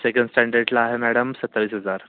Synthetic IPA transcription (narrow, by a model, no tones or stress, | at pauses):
sekəɳɖsʈæ̃ɳɖəɾɖlaːɦemæɽəmsət̪ːaʋiːsɦəd͡zaɾ